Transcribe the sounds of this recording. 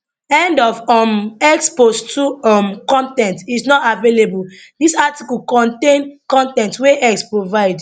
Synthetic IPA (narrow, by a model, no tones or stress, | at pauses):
ɛ̃ndɔvɔmɛksposttʰuɔmkɔ̃ntɛ̃ntisnɔtavelebul | disatikulkɔ̃ntẽnkɔ̃ntɛ̃ntweʔɛkspɹovaɪd